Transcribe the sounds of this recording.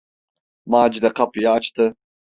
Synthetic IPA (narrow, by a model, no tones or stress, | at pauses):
maːd͡ʒd̪eqɐpjaːt͡ʃt̪ɨ